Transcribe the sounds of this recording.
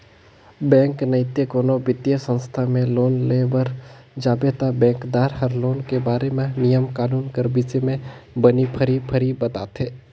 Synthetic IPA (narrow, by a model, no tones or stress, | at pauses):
bɛ̃ːŋknəɪt̪ekoːnobɪt̪jəsə̃nst̪ʰamẽloːnleːbəɾ | d͡ʒaːbet̪abɛ̃ːŋkd̪aːɾhəɾloːnkebaːɾemẽnijəmkaːnuːnkəɾbisemẽbənipʰəɾipʰəɾibət̪a̰ːt̪eː